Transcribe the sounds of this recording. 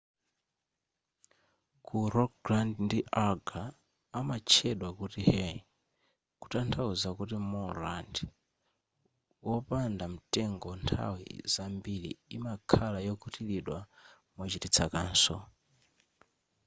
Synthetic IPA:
kuɾɔkɡlandndiʔaɡaː | mat͡ʃʰɛɗwakutihɛ | ku̥tantʰauzakutimɔland | wɔpandam̩tɛŋɡɔntʰa̰wḭzambilḭːmakʰalajɔkʰutiliɗwa | mut͡ʃitit͡sʰakaːnsɔ

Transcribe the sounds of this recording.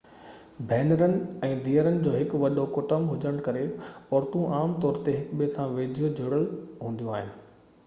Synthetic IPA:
bʱɛːnəɾənɪ̆ɛ̃ːd̪iːəɾənɪ̆d͡ʑoːɦɪkʋɐɗokʊʈəmɦʊd͡ʑəɽ̃kɐɾeɔːɾt̪ũʔaːmt̪ɔːɾt̪eɦɪkɓisãʋeːd͡ʑʱijod͡ʑʱʊɽəɭɦũːn̆d̪ijũaːɦɪnɪ̆

